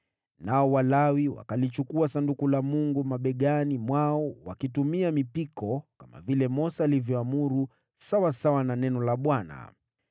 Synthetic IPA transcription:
naɔwalawiwa̰kalit͡ʃukuasandukulamuŋɡumaɓɛɠanimwaɔwakitumiamipikɔkama̰vilɛmɔsaːlivjɔamuɾu | sawasawananɛnɔlaɓwana̰

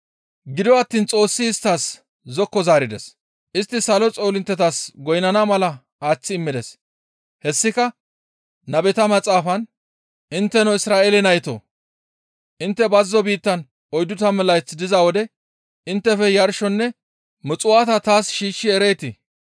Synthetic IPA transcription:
ɡɪd̪ɔɐt̪ːiːnt͡sʼo̞ːsːɪɪst̪ːaːs | zɔkːɔzaːɾɪd̪ɛs | ʔɪst̪ːɪsɐlɔt͡sʼo̞ːlɪnt̪ːɛt̪asɡɔjnɐnɐmɐlɐ | aːt͡sːɪːmːɪd̪ɛs | hɛsːɪkɐ | nɐbɛt̪ɐmɐt͡sʼaːfɐn | ɪnt̪ːɛnɔɪsɾaːʔeːlɛnɐjt̪o̰ː | ʔɪnt̪ːɛbɐzːɔbiːt̪ːɐn | ɔjd̪ʊt̪ɐmɛlɐjt͡sːd̪ɪzɐwɔd̪ɛ | ɪnt̪ːɛfɛjɐɾʃɔnːɛ | mʊt͡sʼʊwat̪ɐt̪aːsʃiːʃːɪɛɾejt̪ɪ

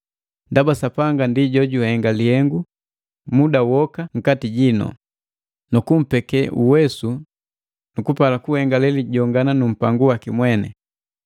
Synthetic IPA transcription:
ndabasapaŋɡandiɟɔɟuhɛŋɡalihɛŋɡu | mudauwɔkaŋ̩katiɟinɔ̰ | nukum̩pɛkɛʔuwɛsu | nukupalakuhɛŋɡalɛliɟɔŋɡananum̩paŋɡuwakimwɛnɛ̰

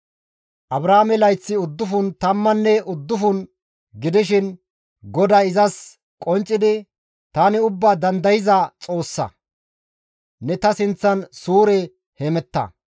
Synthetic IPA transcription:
ʔɐbɾaːmɛlɐjt͡sːɪʊd̪ːʊfʊnt̪ɐmːɐnːɛʔʊd̪ːʊfʊn | ɡɪd̪ɪʃ̬ɪn | ɡɔd̪aɪzɐs | kʼɔnt͡ʃʼːɪd̪ɪ | t̪aːnɪʊbːaːd̪ɐnd̪ɐjɪzɐt͡sʼo̞ːsːɐ̰ | nɛt̪ɐsɪnt͡sːɐnsuːɾɛ | hɛmɛt̪ːɐ̰

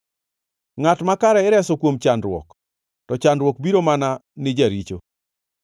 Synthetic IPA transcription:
ŋatmakaɾɛɪɾɛsɔkwomt͡ʃandɾwɔ̰k | tɔt͡ʃandɾwɔk̚biɾomananɪd͡ʒaɾit͡ʃo

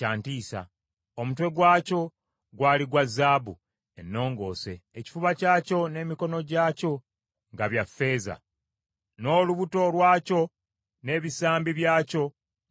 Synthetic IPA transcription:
aːntiːsa̰ | omutwe̞ɡwaːco̞ | ɡwaːliɡwazːaːβu | e̞nːo̞ːŋɡo̞̰ːse̞ːci̥fuβacaːco̞ne̞ːmiko̞no̞ɟaːco̞ | ŋɡaβjafːe̞ːza̰ | no̞ːluβuto̞lwaːco̞ | ne̞ːβisaːmbiβjaːco̞

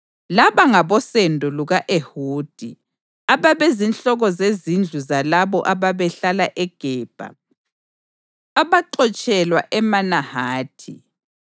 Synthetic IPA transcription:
laβaŋaβɔsendʱɔluɣaʔehuːd̥ʱḭ | aβaβezinɬɔɣɔzezind͡ɮʱuzalaβɔ̰ʔaβaβɛɬalaʔɛɡ̥ʱɛːb̥ʱa̰ | aβaǃɔt͡ʃʼɛlwa̰ʔɛmanahaːtʰḭ

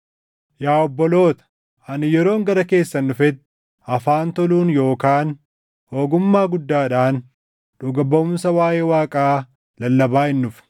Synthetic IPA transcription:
jaːɔbːɔlo̞ːt̪ɐ̥ | ɐnɪjɛɾo̞ːŋɡɐɾɐke̞ːsːɐnːʊfɛt̪ː | ɐfaːnt̪ɔluːnjo̞ːkaːn | ho̞ːɡʊmːaːɡʊd̪ːaːᶑaːn | ᶑʊɡɐbɐʊmsɐwaːje̞ːwaːkʼaː | lɐlːɐbaːɪnːʊfn

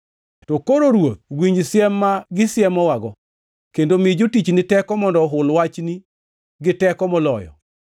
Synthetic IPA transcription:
tokoɾoɾwot̪̚wiɲd͡ʒsɪjɛmːaɡɪsjɛmɔwaɡɔ | kendomid͡ʒotit͡ʃnɪtɛkɔmɔndɔɦʊlwat͡ʃni | ɡɪtɛkɔmɔlɔ̰jɔ̰

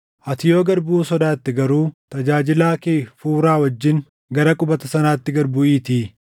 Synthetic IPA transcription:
ʔɐt̪ɪjo̞ːɡɐɾbuːsɔd̪aːt̪ːɪɡɐɾuːt̪ɐd͡ʒaːd͡ʒɪlaːkeːfuːɾaːwɐd͡ʒːɪŋ | ɡɐɾɐkʼʊbɐt̪ɐsɐnaːt̪ːɪɡɐɾbʊʔiːt̪iː

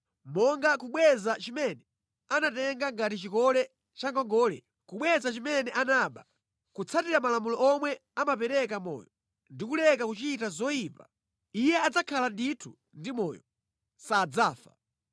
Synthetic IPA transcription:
mɔŋɡakuɓwɛzat͡ʃimɛnɛ | anatɛŋɡaŋɡatit͡ʃikɔlɛ | t͡ʃaŋɡɔŋɡɔːlɛ̰ | kuɓwɛzat͡ʃimɛnɛʔanaːɓa | kut͡sʰatiɾamalamulɔɔmwɛamapɛɾɛkamɔ̰jɔ | ndikulɛkakut͡ʃitazɔjiːpa | ijɛad͡zakʰalanditʰu | ndimɔjɔ | saːd͡zaːfa

